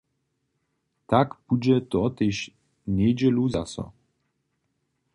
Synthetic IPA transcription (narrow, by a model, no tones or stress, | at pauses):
t̪akpud͡ʑɛt̪ɔɔt̪ɛɕ | ɲʲɛjd͡ʑɛluzasɔ̰